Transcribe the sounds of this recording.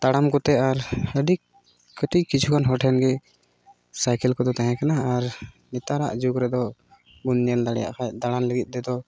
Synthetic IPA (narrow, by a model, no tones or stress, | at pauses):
t̪aɽamkɔt̪ɛaɾəɖiʔ | kːəʈiʔkːit͡ʃʰukʰanɦɔʈʰɛnɡɛ | sajkɛlkɔd̪ɔt̪aɦɛ̃kanaaɾ | nit̪aɾa̰ʔd͡ʒukɾɛd̪ɔ | ɡunɲɛld̪aɽɛja̰ʔkʰad̪aɽanləɡit̪̚ˀd̪ɛd̪ɔ